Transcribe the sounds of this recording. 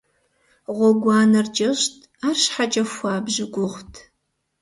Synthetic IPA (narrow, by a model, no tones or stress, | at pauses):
ʁʷɔɡʷɑːnɐrd͡ʒʼɐɕtʰ | aːrʃħat͡ʃʼɐxʷɑːbʒɪɡʷʼʊχʷtʰ